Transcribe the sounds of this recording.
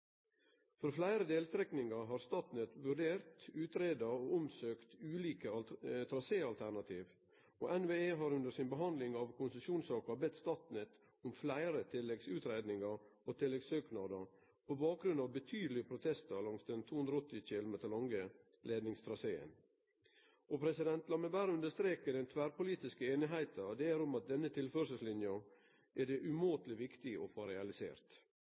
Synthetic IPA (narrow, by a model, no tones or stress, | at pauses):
fɔɾflæɪɾəd̪eːlst̪ɾɛknɪŋɑɦɑːɾst̪ɑt̪nɪt̪ʋʉɖeːɾt̪ʉːt̪ɾeːd̪ɑoːʊmsøːkt̪ʉːliːkət̪ʰɾɑseːɑlt̪ʰæɳɑt̪ʰiːʋ | o̰ːʔɛnʋeːeːɦɑɾʉnd̪əsɪnbəɦɑnd̪lɪŋɑʋkʰʊnsəsuːnsɑːkɑbɛt̪ːst̪ɑt̪nɪt̪ | ʊmflæɪɾət̪ʰɪlːɛɡsʉːt̪ɾeːd̪nɪŋɑɾoːt̪ʰɪlːɛɡsøːknɑd̪əɾ | pʰɔbɑːk̚ɡɾʉnɑʋbət̪ʰyːd̪lɪəpʰɾʊt̪ʰɛst̪əlɑŋst̪d̪ɛnt̪ʰuːhʉnd̪ɾɔt̪ːɪt͡ʃɪlmɛt̪ʰɑlɔŋɡə | lʔeːd̪nɪŋst̪ʰɾɑseːə̰n | ʔɔpʰɾɛsɪd̪ɛnt̪lɑməbæɾʉnd̪əʂt̪ɾeːkəd̪ɛnt̪ʰʋæːɾpʊliːt̪ɪskəeːnɪɦæɪt̪əd̪ɛæɾʊmɑt̪̚d̪ɛnːət̪ʰɪlføɾəsəslɪnjɑ | ʔæɖ̪ɛʔʉmoːt̪lɪʋɪkt̪ɪʔɔ̰foːɾɛɑlɪsḛːɾt̪